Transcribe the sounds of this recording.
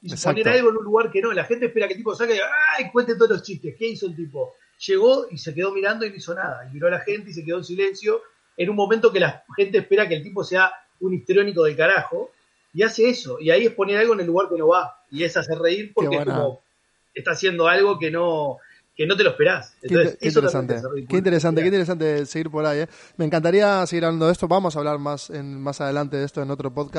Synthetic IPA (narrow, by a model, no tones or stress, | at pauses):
isoponeɾalɣoenunlːuɣaɾkeno̞laxent̪̬ehpeɾakelt̪iposakajkwent̪et̪oolo̞ht͡ʃiht̪eskeiso̞elt̪ipo̞ | ʃe̞ɣo̞ise̞ke̞ðo̞miɾand̪oinoiso̞naðaimiɾo̞alaxe̞nt̪e̞is̬eke̞ð̞oensile̞nsjo̞ | enunmo̞mẽnt̪okelaxe̞nt̪̬eːhpe̞ɾak̬elt̪ipo̞sea | unit̪ɾo̞niko̞ð̞e̞lkaɾaxo̞ | iase̞eso̞iaiehpo̞nealɣoene̞lːuɣaɾkeno̞βa | ie̞saserreiɾpoɾeeenkoomo | eht̪asje̞nd̪o̞alɣo̞keno | keno̞t̪eloehpeɾaseneosseist̪oɾesant̪ereikeint̪eɾes̬ant̪ekent̪eɾes̬ant̪eseɣiɾpoɾajemeːŋkant̪̬aɾiaseɣiɾaβland̪oest̪o̞βamos̬aβlaɾmasenmasað̞elant̪e̞ðest̪oeno̞t̪ɾo̞poðka